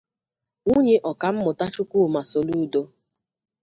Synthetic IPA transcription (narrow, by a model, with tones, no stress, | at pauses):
ŋu˦ɲe˦ʔɔ˨ka˨m̩˦mʊ˨ta˦t͡ʃʊ˦kʷu˦˨ma˨so˨lu˦˨do˦